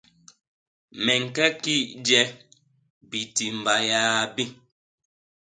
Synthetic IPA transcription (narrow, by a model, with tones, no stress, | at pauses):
mɛ˨ŋ̩˨kɛ˦ki˦˨dɛ˦ | bi˨ti˨m̩˨ba˨jaː˦bi˦